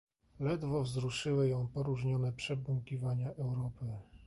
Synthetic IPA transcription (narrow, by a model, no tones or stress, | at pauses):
lɛd̪vɔvzɾuʂɘwɘjɔ̃w̃pɔɾuʐɲɔnɛpʂɛbwuŋkʲivaɲaʔɛwɾɔpɘ